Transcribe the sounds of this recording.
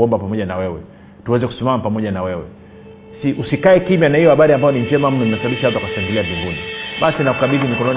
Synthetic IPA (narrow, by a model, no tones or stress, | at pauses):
ɔmbapamɔʄanawɛwɛ | tuwɛzɛku̥simamapamɔʄanawɛwɛ̰ | siʔusikaɛkimjanahijɔhaɓaɾiambajɔnim̩d͡ʒɛmam̩num̩inɛsaɓaɓiʃaat̬uakasaŋɡiliavivuniɓasinaku̥kaɓilimikɔnɔn